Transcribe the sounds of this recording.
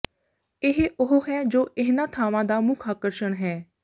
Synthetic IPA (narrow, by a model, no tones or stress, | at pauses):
ɪɦeʔʊɦoɦɛːd͡ʒoːʔɪɦnãːt̪ʰaːʋãːd̪aːmʊkʰaːkəɾʃəɳ̃ɦɛː